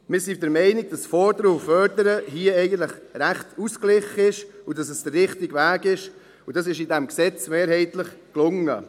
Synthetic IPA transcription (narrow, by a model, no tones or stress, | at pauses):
mɪːɾsidəɾmɛɪnɪɡ̚d̥ɑsfɔɾdəɾəufœɾdəɾəɦiəɛɪɡəntləχɾæχtusklɪχəɪʃʊdɑsɛsd̥ərːɪχtɪɡvæːɡɪʃ | ʊdɑsɪʃidɛmksɛt͡smeːɾhɛɪtləχklʊŋə